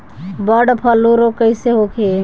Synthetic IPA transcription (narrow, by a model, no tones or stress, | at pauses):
bəɖpʰəlːuɾokəɪseɦokʰe